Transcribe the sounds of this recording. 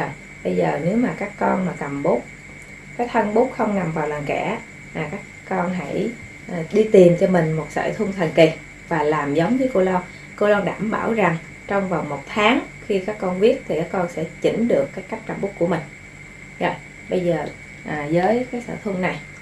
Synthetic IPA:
ɔ˧˨j | ɓə˧jzəː˨˩ne˨˦wmaː˨˩kaː˦˥kːɔ˧nmaː˨˩kə˨˩mɓʊ˦˥k͡p̚ | kaː˨˦˥jt̪ʰə˧nɓʊ˦˥k͡p̚xə˧wŋ͡mna˨˩mvaː˨˩wlaː˨˩ŋkɛ̰˧˩ | maː˨˩kaː˦˥kːɔ˧nɦa̰˧˥j | ʔːɗi˧t̪i˨˩mt͡ɕɔ˧mï˨˩ŋ̟mo˨˩t̚sə̰ː˧˩t̪ʰu˧ŋ͡mt̪ʰə˨˩nki˨˩ | vaː˨˩laː˨˩mzə˨˦wŋ͡mvə˨˦jko˧lɔ˧w | ko˧˩lɔ˧nɗa̰ː˧˩mɓa̰ː˧˩wza˨˩ŋ | t͡ɕɔ˧wŋ͡mva˨˩wŋ͡mmo˨˩t̚t̪ʰaː˨˦ŋ | xi˧kaː˦˥kːɔ˧nvi˦˥ət̚t̪ʰi˨˩kaː˦˥kːɔ˧nsɛ̰˧˥t͡ɕḭ˧˩ŋ̟ɗɨ˨˩əkːaː˨˦jkːa˦˥k̚kə˨˩mɓʊ˦˥ku˧˩əmï˨˩ŋ̟ | zɔ̰˧˩˨j | ɓə˧jzəː˨˩ | ʔaː˨˩zəː˨˦jkaː˨˦jsə̰ː˧˩t̪ʰu˧ŋna˨˩j

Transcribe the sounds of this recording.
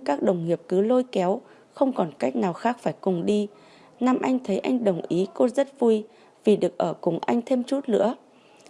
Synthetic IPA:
kaː˦˥k̚ɗə˨˩wŋ͡mŋi˨˩əp̚kɨ˨˦lo˧jkɛ˨˦w | xə˧wŋ͡mkɔ˨˩nka˦˥jk̟̚naː˨˩wxaː˦˥k̚faː˧˩jkʊ˨˩ŋ͡mɗi˧ | na˧mʔa˧jŋ̟t̪ʰə˨˦jʔa̰˧jŋ̟ɗə˨˩wŋ͡mʔi˨˦ko˧zə˦˥t̚vu˧j | vi˨˩ɗɨ˨˩ək̚ʔəː˧˩kʊ˨˩ŋʔa˧jŋ̟t̪ʰe˧mt͡ɕu˦˥t̚lɨ̰˧˥ə

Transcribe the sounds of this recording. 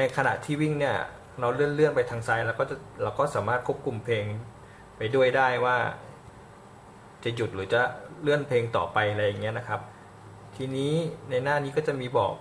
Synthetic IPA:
na˧jkʰa˧na̰˨˩ʔt̪ʰiː˥˩wi˥˩ŋni˥˩ɐ | ɾa˧wlɯ˥˩ənlɯ˥˩ənpa˧jt̪ʰaː˧ŋsaː˧jlɛː˦˥wkɔː˥˩t͡ɕa˨˩laː˧˩wkɔː˥˩saː˩˦maː˥˩t̪̚kʰu˥ə˩p̚kʰu˧mpʰeː˧ŋ | pa˧jdu˥˩əjdaː˥˩jwaː˥˩ | t͡ɕa˨˩ju˨˩t̪̚ɾɯː˩˦t͡ɕa˧˩lɯ˥˩ənpʰeː˧ŋt̪ɔ̰ː˨˩pa˧jɾa˧jːa˨˩ŋːi˦˥ɐna˦˥kʰa˦˥p̚ | t̪ʰiː˧niː˦˥na˧jnaː˥˩ni˦˥kɔː˥˩t͡ɕa˨˩miː˧bɔ̰ː˨˩k̚

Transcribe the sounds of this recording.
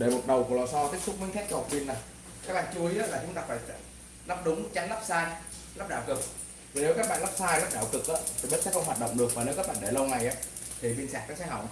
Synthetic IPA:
ɗe˧˩mo˨˩t̚ɗə˨˩wku˧˩lɔː˨˩sɔ˧t̪i˦˥ət̚sʊ˦˥k͡p̚mi˨˦ŋt̪ʰaː˦˥k̚kːɛ˧˩ha˨˩t̚ɓi˧ənːa˨˩j | kaː˦˥k̚ɓa̰ː˧˨nt͡ɕu˧i˨˦aː˨˦laː˨˩t͡ɕʊ˨˦ŋ͡mt̪aː˧faː˧˩js | la˦˥p̚ɗʊ˨˦ŋ͡mt͡ɕa˨˦ŋlaː˦˥p̚saː˧j | la˦˥p̚ɗaː˧˩wkɨ˨˩k̚ | vi˨˩ne˨˦kaː˦˥ɓa̰ː˧˨nla˦˥p̚saː˧jla˦˥p̚ɗaː˧˩wkɨ˨˩k̚ʔaː˨˦t̪ʰi˨˩ɓə˦˥t̚sɛ̰˧˥xə˧ŋ͡mwaː˨˩t̚ɗə̰˧˨wŋ͡mɗɨ˨˩ək̚maː˨˩ne˨˦kaː˦˥kɓa̰ː˧˨ɗe˧˩lə˧wŋa˨˩jʔaː˨˦ | t̪ʰi˨˩ɓi˧nsaː˨˩k̚nɔː˨˦sɛ̰˧˥ɦa̰˧˩w

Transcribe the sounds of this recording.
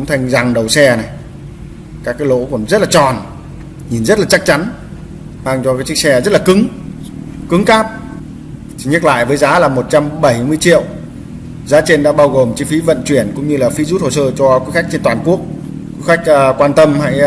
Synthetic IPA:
ʊ̰˧˥ŋ͡mt̪ʰa˧jŋ̟za˨˩ŋɗə˨˩wsɛ˧na˨˩j | kaː˦˥kaː˨˦jlo̰˧˥kɔ˧˥˩n˦zə˦˥t̚laː˨˩t͡ɕɔ˨˩n | ɲi˨˩nzə˦˥t̚laː˨˩t͡ɕa˦˥k̚t͡ɕa˨˦n | ɓaː˧ŋt͡ɕɔ˧kaː˨˦jt͡ɕɨ˦˥k̚sɛ˧zə˦˥t̚laː˨˩kɨ˨˦ŋ | kɨ˨˦ŋkaː˦˥p̪̚ | ɲə˦˥t̚la̰ː˧˨jvəː˨˦jzaː˨˦laː˨˩mo˨˩t̚t͡ɕa˧mɓə˧˩jmɨ˧əjt͡ɕḭ˧˨əw | zaː˨˦t͡ɕe˧nɗa̰ː˧˥ɓaː˧wɣo˨˩mt͡ɕi˧fi˨˦və̰˧˨nt͡ɕwi˧˩ənkʊ̰˧˥ŋ͡mɲɨ˧laː˨˩fi˨˦zu˦˥t̚ho̰˧˨səː˧˩t͡ɕɔ˧ku˨˦˥xa˦˥jk̚t͡ɕe˧nt̪waː˨˩nku˦˥ək̚ | ku˧˨˦xa˦˥k̚ːkwaː˧nt̪ə˧mha̰ː˧˥j

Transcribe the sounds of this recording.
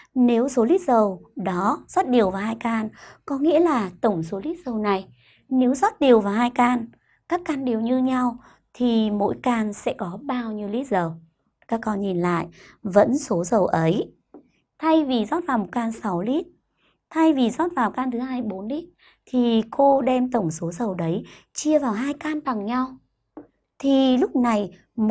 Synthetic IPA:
ne˨˦wso˨˦li˦˥t̚zə˨˩wɗɔ˨˦zɔ˦˥t̚ɗi˨˩əwvaː˨˩whaː˧jkaː˧nkɔ˨˦ŋḭ˧˥əlaː˨˩t̪ə˧˩wŋ͡mso˨˦li˦˥t̚zə˨˩wna˨˩j | ne˨˦wzɔ˦˥t̚ɗi˨˩əwvaː˨˩whaː˧jkaː˧n | kaː˦˥kːaː˧nɗi˨˩əwɲɨ˧ɲa˧w | t̪ʰi˨˩mo̰˧˥jkaː˧nsɛ̰˧˥kɔ˨˦ɓaː˧wɲi˧wli˦˥t̚zə˨˩w | kaː˦˥kːɔ˧nɲi˨˩nla̰ː˧˨jvə̰˧˥nso˨˦zə˨˩wʔə˨˦j | t̪ʰa˧jvi˨˩zɔ˦˥t̚vaː˨˩wmo˨˩t̚kaː˧nsa˨˦wli˦˥t̚ | t̪ʰa˧jvi˨˩zɔ˦˥t̚vaː˨˩wkaː˧nt̪ʰɨ˨˦ɦhaː˧jɓo˨˦nli˦˥t̚ | t̪ʰi˨˩ko˧ɗɛ˧mt̪ə˧˩wŋ͡mso˨˦zə˨˩wɗə˨˦j | t͡ɕi˧əvaː˨˩wɦaː˧jkaː˧nta˨˩ŋɲa˧w | t̪ʰi˨˩lʊ˦˥k͡p̚na˨˩j

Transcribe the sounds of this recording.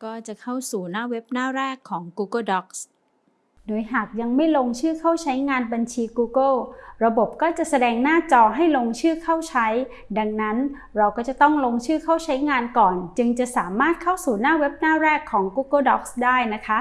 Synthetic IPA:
kɔː˥˩t͡ɕa˨˩kʰa˥˩wsuː˨˩naː˥˩we˦˥p̚naː˥˩ɾɛː˥˩kʰːɔː˩˦ŋkuː˧kɤ˥˩dɔ˦˥k̚s | doː˧jɦaː˨˩k̚ja˧ŋma˥˩jloː˧ŋt͡ɕʰɯː˥˩kʰa˥˩wt͡ɕʰa˦˥jŋaː˧nba˧nt͡ɕʰiː˧kuː˧kɤ˥˩ɾa˧bo˨˩p̚kɔː˥˩t͡ɕa˨˩ʔsa˧dɛː˧ŋnaː˥˩t͡ɕɔː˧ɦa˥˩jloː˧ŋt͡ɕʰɯː˥˩kʰa˥˩wt͡ɕʰa˦˥j | da˧ŋna˦˥n | ɾa˧wkɔː˥˩t͡ɕa˨˩t̪ɔ˥˩ŋloː˧ŋt͡ɕʰɯː˥˩kʰa˥˩wt͡ɕʰa˦˥jŋaː˧nkɔː˨˩nt͡ɕɯ˧ŋt͡ɕa˨˩ʔsaː˩˦maː˥˩t̪̚kʰa˥˩wsuː˨˩naː˥˩we˦˥p̚naː˥˩ɾɛː˥˩kʰːɔː˩˦ŋkuː˦˥kɤ˥˩dɔ˦˥k̚sdaː˥˩jna˦˥kʰa˦˥ʔ

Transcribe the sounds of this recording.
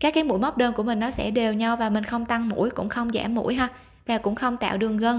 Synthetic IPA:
kaː˦˥kːaː˨˦jmṵ˧˥˦jm˦˥k͡p̚ɗəː˧nku˧˩əmï˨˩ŋ̟nɔ˨˦sɛ̰˧˥ɗe˨˩wɲa˧wvaː˨˩mï˨˩ŋ̟xə˧wŋ͡mt̪a˧ŋmṵ˧˥jkʊ̰˧˥ŋ͡mxə˧wŋ͡mzɛ̰˧˩mːṵ˧˥jɦa˧˩ | vaː˨˩kʊ̰˧˥ŋ͡mxə˧wŋ͡mt̪a̰ː˧˨wɗɨ˨˩əŋɣə˧n

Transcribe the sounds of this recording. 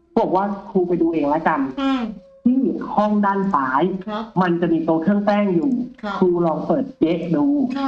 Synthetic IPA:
bu˧˩ək̚waː˥˩kʰuː˧pa˧jduː˧ʔeː˧ŋlɛ˦˥ka˧n | t̪ʰiː˥˩˥hɔ˥˩ŋdaː˥˩nsaː˩˦jma˧nt͡ɕa˨˩ʔmiː˧t̪uː˧k̪ʰɯ˥˩əŋp̪ɛː˥˩ŋjuː˨˩kʰuː˧lɔː˧ŋpɤː˨˩t̪̚je˦˥ʔduː˧

